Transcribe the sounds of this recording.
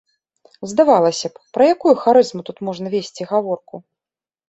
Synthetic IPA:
zd̪avalˠɐsʲɐppɾɐjakujuxaɾɨzmut̪ut̪mɔʐnɐvʲesʲt͡sʲiɣavɔrku

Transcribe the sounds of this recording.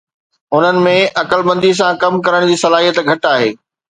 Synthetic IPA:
ʊn̤ənɪ̆mẽʔɐkəlbɐ̃nd̪is̬ãkɐmkɐɾəɽ̃d͡ʑiːsɐlaːɦijət̪ɡʱɐʈaːɦeː

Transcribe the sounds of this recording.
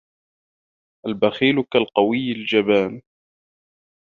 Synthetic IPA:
ʔalbaxiːlʊkalqɑwɪjːld͡ʒabaːn

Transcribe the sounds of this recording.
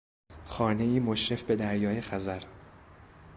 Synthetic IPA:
xɒːne̞iːmo̞ʃɾe̞fbe̞d̪æɾjɒːjexæzæɾ

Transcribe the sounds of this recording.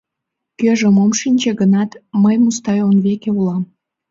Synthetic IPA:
køʒəmomʃinʲt͡ɕeɣənɑt̪məjmust̪ɑjonβekeulɑm

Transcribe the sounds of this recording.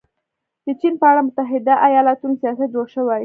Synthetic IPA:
d̪ət͡ʃinpəaɽamʊt̪aɦɪd̪aʔajɑlat̪unosijɑsat̪̚d͡ʒoɽʃəwaj

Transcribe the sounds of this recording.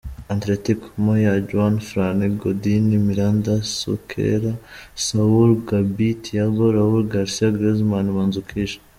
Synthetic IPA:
antɾetikmojad͡ʒuanfɾaniɡodinimiɾandasṵkʰḛɾasauɾɡabitjaɡoɾauɾɡaɾsiaɡɾezmanimanzukʰiʃḁ

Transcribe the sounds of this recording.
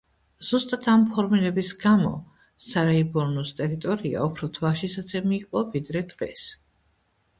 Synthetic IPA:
z̥ust̪ʼat̪ʰampʰɔɾmiɾɛbisɡamɔ̰ | saɾaibɔɾnɔst̪ʼɛɾit̪ʼɔɾia̰ɔpʰɾɔt̪ʰwaʃisat̪sʰɛmiːqʼɔvid̪ɾɛd̪̥ʁɛ̰s

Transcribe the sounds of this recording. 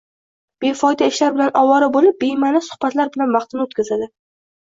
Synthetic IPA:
b̥efɒjd̪aɪʃlaɾbɪlanɒwɒɾabolɪp̚bemanɪsʊ̥hbat̪laɾbɪlanvɑχt̪ɪnɪot̪kʲazad̪ɪ

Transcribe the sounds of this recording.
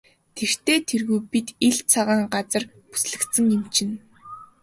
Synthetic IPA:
t̪ʰer̥t̪eːt̪ʰerɣujpit̪iɮt͡sʰaʁaːŋɢat͡sə̆r | pu̥sɮɘ̆kt̪sə̆ŋjɪmt͡ɕʰɪ̆n

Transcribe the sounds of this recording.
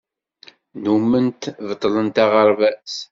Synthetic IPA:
numːənt̪vət̪ˤːlənt̪ɑʁəɾˤvæs

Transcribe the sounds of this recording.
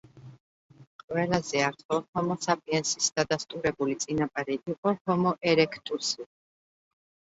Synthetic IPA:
qʼwɛlazɛaɾt̪ʰχɔhɔmɔsapʼiɛnsisd̪̥ad̪ast̪ʼuɾɛbulit̪sʼinapʼaɾiʔiqʼɔhɔmɔʔɛɾɛkʰt̪ʼusi

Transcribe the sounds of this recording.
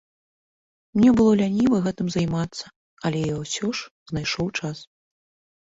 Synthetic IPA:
mnʲɛbɨlˠɔlʲanʲivɐɣɛt̪ɨmzajmat̪sːɐ | ɐlʲɛjɔwsʲɔʂznajʂɔwt͡ʂas

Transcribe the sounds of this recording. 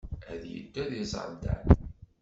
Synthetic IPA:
æðjə̰d̪ːæðiz̰ˤnd̪æ̰n

